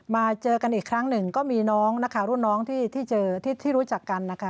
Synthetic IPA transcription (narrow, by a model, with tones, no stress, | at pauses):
maː˧t͡ɕɤː˧ka˧nʔiː˨˩kʰɾa˦˥ŋnɯ˨˩ŋkɔː˥˩miː˧nɔː˦˥ŋna˦˥kʰaː˨˩wɾu˥˩˨nːɔː˦˥ŋt̪ʰiː˥˩t̪ʰiː˥˩t͡ɕɤː˧t̪ʰiː˥˩t̪ʰiː˥˩ɾuː˦˥t͡ɕa˨˩kːa˧nːa˦˥kʰa˦˥